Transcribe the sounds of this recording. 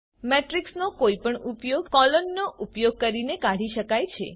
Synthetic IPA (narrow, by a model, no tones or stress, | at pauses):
meʈɾiksnokoipəɳupjoɡkɔlɔnːoʔupjoɡ̚kəɾinekãɽ̤iʃəkajt͡ʃʰḛ